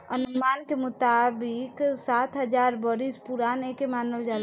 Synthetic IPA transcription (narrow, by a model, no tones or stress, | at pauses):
ənʊmankemʊt̪abɪksat̪ʰɦəd͡ʒaɾbɔɾispuɾanekemaːnəld͡ʒal